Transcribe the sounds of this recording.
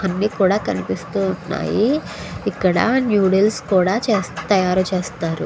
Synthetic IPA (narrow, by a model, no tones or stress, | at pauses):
ɐnːiːkuːɽaːkɐnipist̪uːuɳːa̰ːji | ikːɐɽɐ̰njuːɽilskuːɽaːt͡ʃeːst̪ɐjaːɾut͡ʃeːst̪aːɾṵ